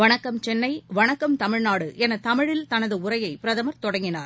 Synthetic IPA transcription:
ʋɐɳɐkːɐmt͡ʃɛnːɐɪʋɐɳɐkːɐmt̪ɐmɪɻnaːɽɯʔɛnɐt̪ɐmɪɻɪlt̪ɐnɐðɯʊɾɐjɐɪpɪɾɐðɐmɐɾt̪ɔɽɐŋɡɪnaːɾ

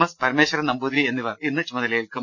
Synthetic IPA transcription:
ɐspɐɾɐmeːɕɐɾɐmnɐmbuːd̪ɾie̞nːiʋɐrinːɨt͡ɕumɐðɐlɐjilkɨm

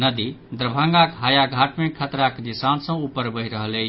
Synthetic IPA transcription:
nəd̪id̪ɾəbʱə̃ŋɡakɦajaɡʱaʈmekʰət̪ɾakd̪isansə̃upːəɾbəɦiɾəɦələ

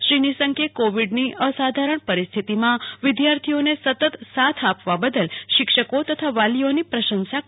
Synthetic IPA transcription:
ʃɾinisəŋkekoʋiɖniʔəsad̪ʱaɾəɳpəɾist̪ʰit̪imãʋɪd̪jaɾt̪ʰionesət̪ət̪sat̪ʰapʋabəd̪əlʃɪkʂəkot̪ət̪ʰaʋalionipɾəʃənsa

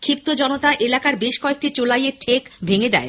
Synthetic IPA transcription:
kʰɾip̚t̪od͡ʑɔnot̪aʔelakaɾbeʃkɔek̚ʈit͡ɕolajeʈʰekbʱeŋed̪ɛ̰e

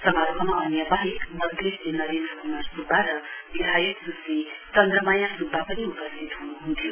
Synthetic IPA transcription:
sʌmaɾkʰʌmaʌnjʌbaɦikmʌd̪ʱeslenʌɾend̪ɾʌkumasrubʱaɾʌbid̪ʱajʌk̚dusit͡ʃʌnd̪rʌmajãkrubʱːapʌniupʌst̪ʰit̪ɦunuɦunt̪ʰjo

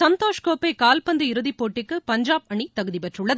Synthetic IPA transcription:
sɐnt̪oːʂkoːpːɐɪkaːlpɐnd̪ɐɪɾɯðipːoːʈːɪkːɯpɐɲd͡ʒaːbɐɳit̪ɐɣɯðipɛʈrɯɭːɐð

